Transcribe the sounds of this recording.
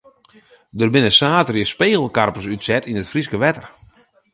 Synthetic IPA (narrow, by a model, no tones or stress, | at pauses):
dərbɪnəsaːtərjəspeːɣəl̩ˠkarpəsytsɛtʰinətfriskəʋɛtər